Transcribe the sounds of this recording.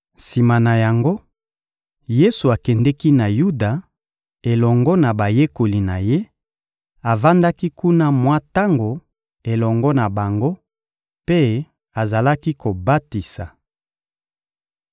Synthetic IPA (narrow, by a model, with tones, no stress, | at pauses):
si˨ma˨na˨ja˨ŋɡo˦ | je˦su˨a˨kɛ˨ndɛ˦ki˦na˨ju˦da˨ | e˨lɔ˨ŋɡɔ˦na˨ba˨je˦ko˨li˨na˨je˦ | a˨va˦nda˦ki˦ku˦na˦mwa˦ta˦ŋɡo˨ | e˨lɔ˨ŋɡɔ˦na˨ba˨ŋɡo˦ | pe˦ | a˨za˨la˦ki˦ko˨ba˦ti˨sa˨